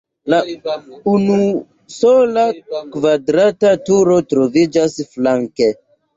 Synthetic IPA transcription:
launu | solakvadɾatatuɾo̞tɾovid͡ʒasflaŋke

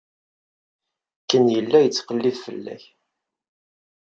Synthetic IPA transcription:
kːənjəlːæjət͡sːqəlːiðfə̰lːæ̰ç

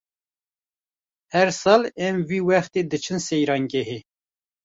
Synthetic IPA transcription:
hɛɾsɑːlɛmviːwɛxt̪eːd̪ɨt͡ʃʰɨnsɛjɾɑːŋɡɛɦeː

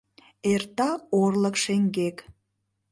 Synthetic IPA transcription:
ert̪ɑorləkʃeŋɡek

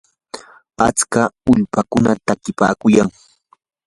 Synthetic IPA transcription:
a̰t͡skaʊʎpakʊnat̪akɪpa̰ːkʊjaŋ

